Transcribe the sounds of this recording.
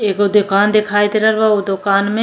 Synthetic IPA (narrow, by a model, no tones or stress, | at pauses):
eːkod̪ʊkaːnd̪ɪkʰaːet̪eɾɐɾʋaod̪ʊkaːnmẽ